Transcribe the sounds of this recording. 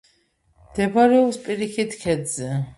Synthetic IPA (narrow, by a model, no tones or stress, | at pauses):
md̪̥ɛbɾɛɔpspʼiɾikʰit̪ʰkʰɛd̪zɛ